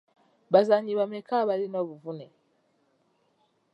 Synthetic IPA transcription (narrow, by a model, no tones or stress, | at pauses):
bazaɲiβamɛkaβalinwaβuvunɛ